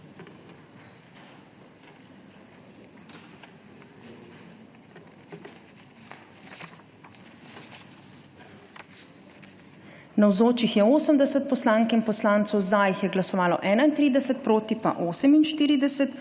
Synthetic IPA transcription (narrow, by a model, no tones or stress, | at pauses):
nawzoːt͡ʃixjɛoːsəmd̪ɛsɛt̪̚pɔslaŋkinpɔslaːnt̪sɔwzajixjɛɡlasɔʋaːlɔ̰ʔɛːnaint̪ɾiːd̪ɛsɛt̪̚pɾoːt̪ipa̰ʔoːsəminʃt̪iːɾid̪ɛsɛt̪